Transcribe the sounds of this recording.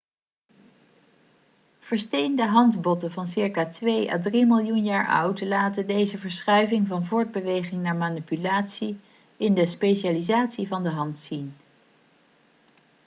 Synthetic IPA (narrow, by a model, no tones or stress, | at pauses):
v̥əɹstejndəɦɑndbɔtəvɑnsɪɹkaːtʋejʔa̰drimɪlˠjunjaːɹʔʌ̰wtlaːtədejzəvəɹsχœɥvɪŋvɑnvʊːɹd̚bəʋejχɪŋnaːɹmanipylaːtsi | ɪndəspeʃaːlizaːtsivɑndəɦɑntsin